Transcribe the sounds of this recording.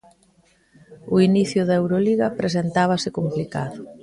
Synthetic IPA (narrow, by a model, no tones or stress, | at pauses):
ʊiniθjʊðɐewɾoliɣɐpɾes̬ent̪aβ̞ɐsɪkomplikaðʊ